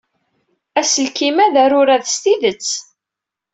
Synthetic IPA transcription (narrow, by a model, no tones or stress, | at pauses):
æsəlkimæðæɾʊɾæðst̪iðət͡sː